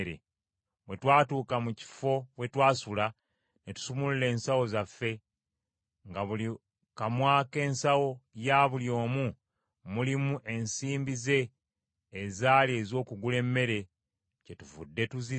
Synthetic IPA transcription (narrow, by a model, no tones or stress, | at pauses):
ɾḛ | we̞twaːtuːkamuci̥fo̞βwe̞twaːsula | netu̥sumulule̞ːnsawo̞zafːe̞ | ŋɡaβuli | kamwaːke̞ːnsawo̞jaβuljo̞ːmu | mulimuʔe̞nsiːmbize̞ː | zaːlie̞zo̞ːkuɡule̞mːe̞ɾe̞ | ce̞tuvṵdːe̞tuzi